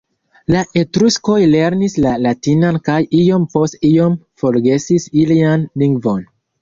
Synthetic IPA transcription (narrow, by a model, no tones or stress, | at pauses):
laʔe̞tɾusko̞jle̞ɾnislalatinankajio̞mpo̞stijo̞mfo̞ɾɡe̞sisilianliŋɡvo̞n